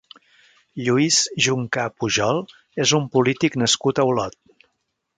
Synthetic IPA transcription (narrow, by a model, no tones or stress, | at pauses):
ʎuizʒuŋkapuʒɔlˠ | ezumpulit̪iknəskut̪əulɔt̪̚